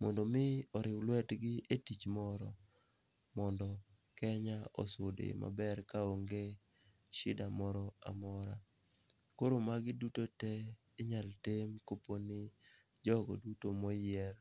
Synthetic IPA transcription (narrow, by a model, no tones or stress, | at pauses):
mɔndɔmɪɔɾɪwlwɛtɡɪʔetit͡ʃmɔɾɔ | mɔndɔ | kɛɲaʔɔ̰sʊdeɪ̰ma̰bɛrkaoŋɡe | ʃɪdamɔɾɔa̰mɔɾa | koɾomaɡɪdutotɛ | ɪɲaltemkoponɪ | d͡ʒɔɡɔ̰dutomɔjɛl